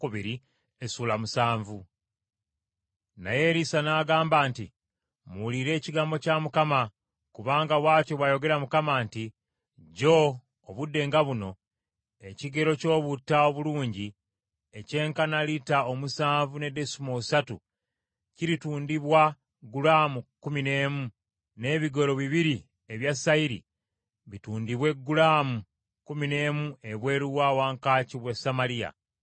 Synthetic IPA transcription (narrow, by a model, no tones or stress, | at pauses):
kuβiɾi | esuːlamusaːɱvu | na̰je̞ɾisanaːɡaːmbaːnti | muliɾe̞ːciɡaːmbo̞camukama | kuβaːŋɡaβwaːco̞βwajo̞ɡe̞ɾamukamaːnti | ɟo̞ː | βudːe̞ːŋɡaβuno̞ | e̞ciɡe̞ɾo̞co̞ːβutːao̞βuluːɲɟi | ece̞ːŋkanalitaomusaːɱvune̞de̞sumousatṵ | ciɾituːndiβwa | ɡulaːmukumine̞ːmu | ne̞ːβiɡo̞ɾo̞βiβiɾi | eβjasaiɾḭ | βituːndiβwe̞ɡulaːmu | kumine̞ːmue̞βwe̞ːɾuwaːwaːŋkaːciβwesamaɾija̰